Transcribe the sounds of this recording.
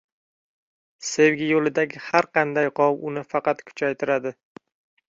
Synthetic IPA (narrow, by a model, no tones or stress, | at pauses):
se̞wɡʲɪjolɪd̪aɡʲɪhaɾqʰɑnd̪ajqʰɒwʊnɪfɑqɑt̪kʰʊ̥t͡ʃʰajt̪ʰɪɾad̪ɪ